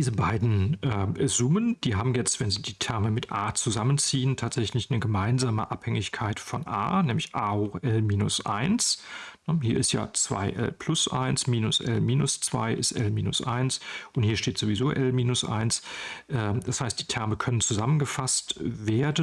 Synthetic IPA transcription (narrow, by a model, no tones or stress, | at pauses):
diːzəbaɪdn̩ʔɛzʊmənd̥iːɦaːbm̩jɛt͡stv̥ɛnziːdiːtʰɛɐməmɪtʔaːt͡suzamənt͡siːəntʰaːtz̥ɛçlɪçnəɡəmaɪnzaːmə̰ʔaphɛŋɪçkʰaɪtfɔnʔa̰ːnɛːmlɪçʔaːʊxʔɛlmiːnʊsʔa̰ɪnsnəhiːɐɪstja̰ːt͡sv̥a̰ɪʔɛ̰lpʰl̥ʊsʔa̰ɪnsmiːnʊsʔɛ̰lmiːnʊst͡sv̥a̰ɪʔɪ̰stʔɛ̰lmiːnʊ̰sʔa̰ɪnsʔʊnthiːɐʃteːtz̥oːvizoːʔɛlmiːnʊsʔa̰ɪnsʔɛːd̥ashaɪstd̥iːtʰɛɐməkʰœnənt͡suzamənɡəfastveːɐdə